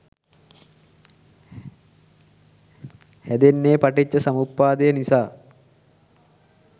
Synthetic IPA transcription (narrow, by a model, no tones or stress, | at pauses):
hæd̪enːeːpaʈit͡ɕːəsamupːaːd̪ejənisaː